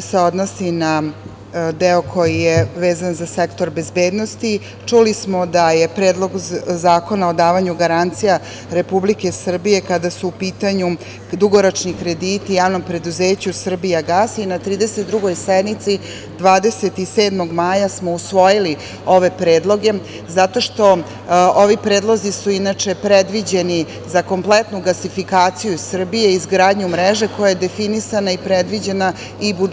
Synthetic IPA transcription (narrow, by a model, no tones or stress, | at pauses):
seod̪nosina | d̪eokʰo̞jijeʋeːzanzasekt̪o̞ɾbe̞zbe̞ːd̪no̞st̪i | t͡ʂulismod̪aje̞pɾe̞ːd̪lˠo̞ɡzaːko̞naod̪aːʋaɲuɡaɾant̪sija | ɾe̞publike̞sr̩bije̞kad̪asuupiːt̪aɲu | d̪uɡo̞ɾot͡ʂnikɾe̞d̪iːt̪ijaːʋno̞mpɾe̞d̪uze̞ːt͡ɕusr̩bijaɡaːsinat̪ɾiːd̪e̞set̪̚d̪ɾuɡo̞jsed̪nit̪si | d̪ʋaːd̪e̞set̪ise̞ːd̪mo̞ɡmaːjasmo̞usʋo̞jili | o̞ʋe̞pɾe̞ːd̪lˠo̞ɡe̞ | zat̪o̞ʃt̪o̞ | oʋipɾe̞ːd̪lˠozisuinat͡ʂe̞pɾed̪ʋid͡ʑe̞ni | zako̞mplet̪nuɡlasifikaːt̪sijusr̩bije̞izɡɾaːd̪ɲumɾeʒe̞ko̞jajed̪e̞finisanaipɾed̪ʋid͡ʑe̞na | ibu